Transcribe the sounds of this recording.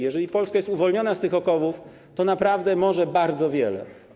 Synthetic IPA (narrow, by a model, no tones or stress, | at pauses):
jɛʐɛlʲipɔlskajɛst̪uvɔlɲɔnast̪ɘxɔkɔvuf | t̪ɔnapɾavd̪ɛmɔʐɛbaɾd̪zɔvʲjɛlɛ̰